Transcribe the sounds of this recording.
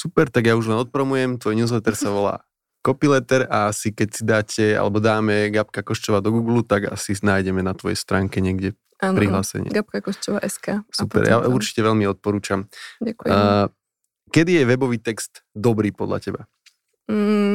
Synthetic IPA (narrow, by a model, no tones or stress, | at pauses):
supɛɾt̪aɡjauʒlɛnɔt̪̚pɾɔmujɛmt̪ʋɔjnuːzlɛt̪ɛɾsaʋɔla̰ː | kɔpilɛt̪ɛɾaasikɛcsid̪aːcʰɛa̰lɛbɔd̪aːmɛɡap̚kakɔʃt͡ʃɔʋaːd̪ɔɡuːɡlut̪aɡa̰sinaːjɟɛmɛnat̪ʋɔjɛ̰st̪ɾaːŋkɛɲɛɡɟɛ | aːpɾiɦlaːsɛ̰ɲɪ̰ɡap̚kakɔʃt͡ʃɔʋa̰ʔɛskaːsupɛ̰ɾja̰uɾt͡ʃi̥cɛʋɛlmiɔt̪̚pɔɾuːt͡ʃamaku | kɛd̪ijɛʋɛbɔʋiːt̪ɛkst̪d̪ɔbɾiːpɔd̪ʎa̰cɛba